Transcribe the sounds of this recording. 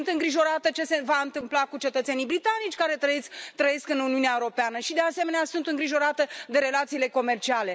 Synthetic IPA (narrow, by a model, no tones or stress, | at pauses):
unt̪ɨŋɡɾiʒo̞ɾat̪ət͡ʃe̞sevaɨnt̪ɨmplakut͡ʃe̞t̪ət̪se̞nijbɾit̪anit͡ʃʲkaɾe̞t̪ɾəet̪ɾəje̞skɨnuniuneaeuɾo̞peanəʃid̪easeme̞neasunt̪ɨŋɡɾiʒo̞ɾat̪əd̪e̞ɾe̞lat̪siːle̞ko̞me̞rt͡ʃiale̞